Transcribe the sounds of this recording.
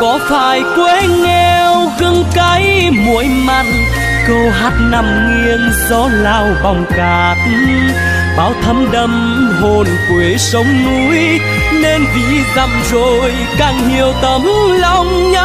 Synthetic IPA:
kɔ˨˦faː˧˩jkwe˧˦ŋɛ˧wɣɨ˧ŋka˧˦j | mu˧˨˩əjma˧˨jŋ̚ | kə˧wɦaː˦˥t̚na˧˨mŋwi˧ən | zɔ˨˧˦laː˧wɓa˨˩wŋ͡mkaː˨˩t̚ | ɓaː˨˦wt̪ʰə˨˦mɗə˧m | ho˨˩nkwe˨˦sə˨˦wŋ͡mnu˧˦j | ne˧nvḭ˧˨ɣa˨˩m̚zo˨˩j | kaː˨˩ŋhi˨˩əwt̪ə˨˦mlɔ˧wŋ͡mɲə˧˦

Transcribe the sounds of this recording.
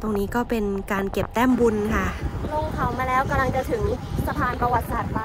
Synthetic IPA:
t̪o˧ŋniː˦˥kɔː˥˩pe˧nkaː˧nke˨˩p̚t̪ɛː˥˩mbu˧nkʰa˥˩lo˧˩ŋkʰa˩˦wmaː˧lɛː˦˥wka˧mla˧ŋt͡ɕa˨˧˩t̪ʰɯ˩˦ŋsa˧p̪ʰaː˧npɾa˧wa˨˦t̪̚saː˨˩t̪̚maː˧˩

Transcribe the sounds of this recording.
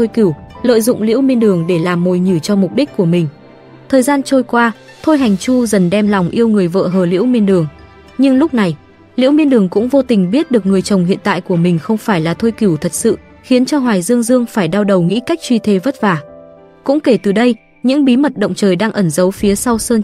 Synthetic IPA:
t̪ʰo˧jki˧˩wlə̰ː˧˨jzʊ̰˧˨ŋ͡mlḭ˧˥əwmi˧ənɗɨ˨˩əŋɗe˧˩laː˨˩mːo˨˩jɲi˧˩t͡ɕɔ˧mʊ˨˩k͡p̚ɗi˦˥k̟̚kːu˧˩əmï˨˩ŋ̟ | t̪ʰəː˨˩jzaː˧nt͡ɕo˧jkwaː˧ | t̪ʰo˧jɦa˨˩jŋ̟t͡ɕu˧zə˨˩nɗɛ˧mlɔ˨˩wŋ͡mʔi˧əwŋɨ˨˩əjvə̰ː˧˨ɦəː˧˩lḭ˧˥əwmi˧ənɗɨ˨˩əŋ | ɲɨ˧ŋlʊ˦˥k͡p̚na˨˩j | lḭ˧˥wmi˧ənɗɨ˨˩əŋkʊ̰˧˥ŋ͡mvo˧t̪ï˨˩ŋ̟ɓi˦˥ət̚ɗɨ˨˩ək̚ŋɨ˨˩əjt͡ɕə˨˩wŋ͡mhḭ˧˨ənt̪a̰ː˧˨jku˧˩əmï˨˩ŋ̟xə˧wŋ͡mfaː˧˩jlaː˨˩t̪ʰo˧jki˧˩wt̪ʰə˨˩t̚sɨ̰˧˨ | xi˨˦nt͡ɕɔ˧ɦwaː˨˩jzɨ˧əŋzɨ˧əŋfaː˧˩jɗaː˧wɗə˨˩wŋḭ˧˥ka˦˥k̚t͡ɕwi˧t̪ʰe˨˦və˦˥t̚vaː˨˩ | kʊ̰˧˥ŋ͡mke˧˩t̪ɨ˨˩ɗə˧j | ɲɨ̰˧˥ŋɓi˨˦mə˨˩t̚ɗə̰˧˨wŋ͡mt͡ɕəː˨˩jɗaː˧ŋʔə˧˩nzə˨˦wfi˨˦əsa˧wsəː˧n

